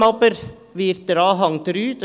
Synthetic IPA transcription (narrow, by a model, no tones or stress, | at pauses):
ɑpəɾ | ʋiːɾt̪əɾɑːɦɑŋt̪ɾyːt̪